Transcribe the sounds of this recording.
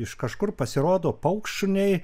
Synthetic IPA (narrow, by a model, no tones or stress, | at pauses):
ɪʃkɐʃkʊrpɐsʲɪɾoːd̪oːpɐʊkʃʊnʲɛɪ